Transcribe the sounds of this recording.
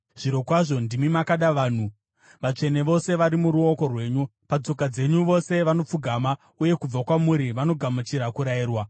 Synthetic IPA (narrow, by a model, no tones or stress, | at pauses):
ʐ̥iɾo̞kwaʐo̞ndimimakaɗaʋaːn̤u | ʋat͡ʂe̞ne̞ʋo̞se̞ʋaɾimuɾuo̞ko̞rwe̞ːɲupat͡so̞kad͡ze̞ɲuʋo̞se̞ʋano̞p͡fuɡʱaːma | uje̞kub͡vakwamuɾiʋano̞ɡʱamut͡ʃiɾakuɾajiːrwa